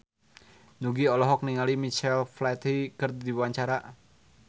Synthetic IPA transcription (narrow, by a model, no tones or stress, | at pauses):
nuɡiɔlɔɦɔk̚niŋalimit͡ʃɛlflat̪ikərdiwaɲt͡ʃaɾa